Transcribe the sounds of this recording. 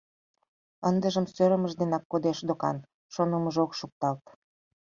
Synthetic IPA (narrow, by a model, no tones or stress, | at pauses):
ənd̪əʒəmsøɾə̆məʒd̪enɑkːod̪eʃd̪okɑ̰n | ʃonəməʒokʃuk̚t̪ɑlt̪